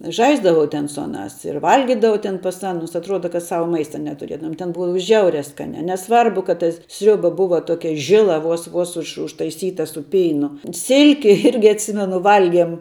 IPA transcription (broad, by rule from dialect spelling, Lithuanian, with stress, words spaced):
ˈʒɐɪzdɐʋɐʊ tʲɛn sʊ ˈɑːnɑːs ɪr ˈʋɐlʲɡʲɪdɐʋɐʊ tʲɛn pɐs ˈɑːnʊs ɐtˈruɔdɐ kɐt ˈsɑːʋɐ ˈmɐɪstɐ nʲɛtʊˈrʲiɛdɐʋʊm tʲɛn ˈbʊɐ ˈʒʲɛʊrʲɛ ˈskɑːnʲɛ nʲɛˈsʋɐrbʊ kɐt tɐ ˈsʲrʲʊbɐ ˈbʊʋɐ ˈtoːkʲɛ ˈʒʲɪlˠɐ ˈʋoːs ˈʋoːs ʊʃ ʊʃtɐɪˈsʲiːtɐ sʊ ˈpʲɛɪnʊ ˈsʲɪlʲkʲɪ ˈɪrʲɡʲɪ ɐtʲˈsʲɪmʲɛnʊ ˈʋɐlʲɡʲiɛm